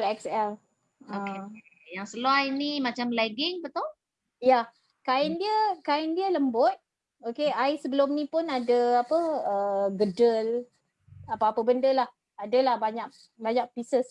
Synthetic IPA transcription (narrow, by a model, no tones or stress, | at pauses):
lɛksɛl | oke | jaŋsəluajnimat͡ʃamlɛɡɪŋpət̪ɔl | ja | kaɪndiəkaɪndiələmbʊt̪̚ | okeajsəbəlʊmnĩpʊnadəapəəɡədəl | apawapəbəndəlah | adəlahbaɲak̚ | baɲak̚pisəs